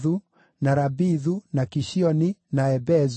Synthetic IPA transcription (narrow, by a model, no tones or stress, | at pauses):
ðu | naɾabiðunakiʃiɔninaɛbɛz